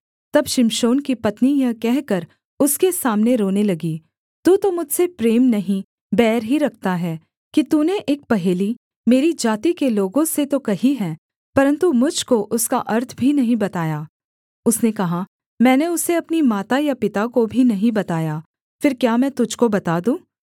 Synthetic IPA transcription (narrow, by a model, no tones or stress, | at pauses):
t̪ɐbʃɪmʃoːnkipɐt̪nijakɛɦkɐɾ | ʊskesaːmneɾoːnelɐɡiː | t̪uːt̪omʊd͡ʒʱsepɾeːmnɐɦĩ | bɛːɾɦiɾɐkʰt̪aɦɛː | kit̪uːneʔeːk̚pɐɦeːli | meːɾid͡ʒaːt̪ikeloːɡõset̪okɐɦiɦɛ̃ː | pɐɾə̃nt̪umʊd͡ʒʱkoʔʊska̰ʔɐɾt̪ʰbʱinɐɦĩbɐt̪aːjaː | ʊsnekɐɦa | mɛ̃ːneʊseɐpnimaːt̪ajapɪt̪akobʱinɐɦĩbɐt̪aːjaː | fɪɾkjaːmɛ̃ːt̪ʊd͡ʒʱkobɐt̪aːd̪ũː